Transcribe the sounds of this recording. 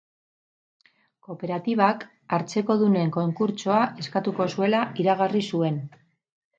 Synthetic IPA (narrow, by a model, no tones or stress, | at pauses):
ko̞pe̞ɾat̪iβ̞ak | aɾt͡se̞ko̞ðune̞ŋko̞ŋkuɾt͡ʃo̞aʔe̞skat̪uko̞sue̞laiɾaɣ̞arisue̞n